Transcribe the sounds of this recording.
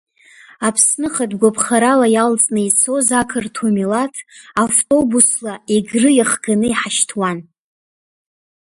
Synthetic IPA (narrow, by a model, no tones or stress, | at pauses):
apʰsnɨχadɡʷapʰχaɾalajalt͡sʼnɨit͡sʰo̞zakʰɨrtʰumilatʰavtʼo̞buslaeɡrɨjaχɡanɨiħaʃtʰwan